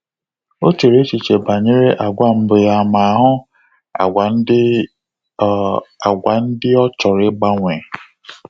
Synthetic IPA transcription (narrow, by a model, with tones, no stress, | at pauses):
o˦t͡ʃe˨ɾe˦t͡ʃi˨t͡ʃe˨ba˨ɲe˦ɾe˦ʔa˨ɡʷa˦˨m̩˦bʊ˨ja˦˨ma˨a˨ɦʊ˦˨˦ | a˨ɡʷa˨n̩˦dɪ˦ɔ˦t͡ʃɔ˨ɾɪ˦ɡ͡ba˦ŋʷe˨